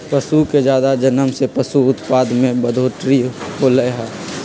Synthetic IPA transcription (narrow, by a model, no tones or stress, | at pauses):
pəsuked͡ʒjaːd̪ad͡ʒənəmsepəsuʊt̪paːd̪mẽbəd̪ʱoːʈɾiholəjɦɛː